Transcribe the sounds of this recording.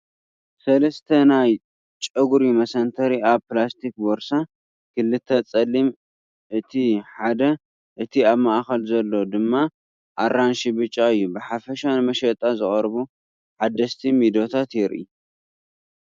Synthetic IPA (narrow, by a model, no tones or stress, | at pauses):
sɐlɐst̪ʰɐnaj | t͡ʃʼɐɡuɾimɐsɐnt̪ʰɐɾiaβpɨlast̪ʰik̚boɾsa | kɨlːɨt̪ʰːɐt͡sʼɐlːim | ʔɨt̪ʰiħad̪ɐ | ʔɨt̪ʰiaβmaʔxɐlzɐlːo̞d̪ɨmːa | ʔaɾanʃibɨt͡ʃʼːaɨjːubɨħafɐʃanɨmɐʃɐt̪ʼazɨχʼɐɾβu | ħad̪ːɐst̪ʰimid̪o̞t̪ʰat̪jɪɾḭ